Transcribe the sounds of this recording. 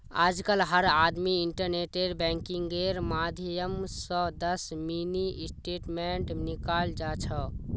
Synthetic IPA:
a̰d͡ʒkəlɦəɾad̪miiɳʈəɾneʈeɾbɛ̃ŋkiŋɡeɾmad̪ʱijəmsə̃d̪əsminisʈeʈmeɳʈnikald͡ʒat͡ʃʰə

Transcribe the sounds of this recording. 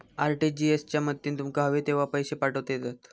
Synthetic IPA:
aɾʈid͡ʑiest͡ɕjamət̪ːiːnt̪umkaɦəʋet̪eʋ̤apəjɕepaʈət̪jet̪at̪

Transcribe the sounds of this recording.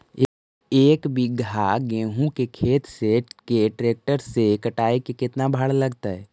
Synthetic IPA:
eːkbiɡʱaɡẽːɦũkekʰeːt̪sekeʈɾeːk̚ʈəɾsekəʈaːikekɪt̪nabʱəɽləɡt̪aɦɛː

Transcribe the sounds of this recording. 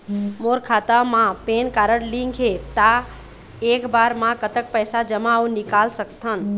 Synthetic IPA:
moːɾkʰaːt̪amãpeːnkaːɾəɽlĩŋɡʰɦet̪a | eːkbaːɾmãkət̪ək̚pəːsad͡ʒəmaũnɪkaːlsəkt̪ʰən̆

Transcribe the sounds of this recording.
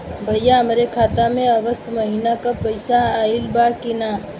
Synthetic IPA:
bʱəjjaɦəmɾekʰaːt̪amẽəɡəst̪mɐɦiːnakapəɪsaaːɪlbakinaː

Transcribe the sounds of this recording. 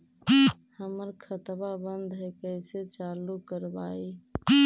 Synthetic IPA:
həməɾkʰət̪babənd̪ʱɦɛkəjset͡ʃalukəɾbai

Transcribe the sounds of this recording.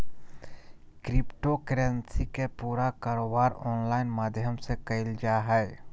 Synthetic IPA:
kɾɪpʈokɾẽnsikepuːɾakaːɾoːbaːɾɔːnlaːɪnmaːd̪ʱjəmsekəɪld͡ʒaɦɛ

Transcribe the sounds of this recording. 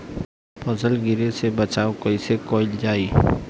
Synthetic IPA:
pʰɔsəlɡɪɾesebɐt͡ʃaːokɐɪsekoːɪld͡ʒaːiː

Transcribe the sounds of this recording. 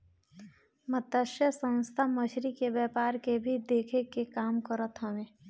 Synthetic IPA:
mət̪ːəʃjəsə̃nst̪ʰaməʃɾikeʋɛːpaːɾkebʱid̪eːkʰekekaːmkəɾət̪ɦəʋẽː

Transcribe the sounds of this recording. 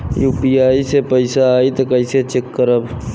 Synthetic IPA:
juːpiaːisepəɪsaaːit̪okəɪset͡ʃekːəɾəb

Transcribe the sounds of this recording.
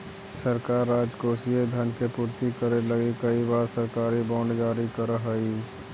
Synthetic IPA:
səɾkaːɾːaːd͡ʒkoːsied̪ʱənkepuːɾt̪ikəɾeləɡikəibaːɾsəɾkaːɾibãːɳɖɡaːɾikəɾəɦəiː

